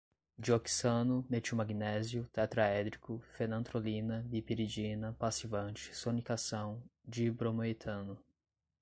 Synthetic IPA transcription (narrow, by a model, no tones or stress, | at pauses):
d͡ʒioki̥sɐ̃nʊmet͡ʃumaɡinɛzjʊt̪ɛt̪ɾaɛd̪ɾikʊfenɐ̃t̪ɾolĩnɐbipiɾid͡ʒinɐpasivɐ̃nt͡ʃɪ̥sonikasɐ̃w̃d͡ʒibɾomoit̪ʰɐ̃nʊ